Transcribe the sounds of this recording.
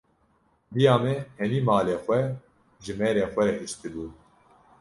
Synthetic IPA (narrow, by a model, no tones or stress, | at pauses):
bijaːmɛhɛmiːmɑːleːxʷɛ | ʒɨmɛːɾeːxʷɛɾɛhɨʃt̪ɨbuː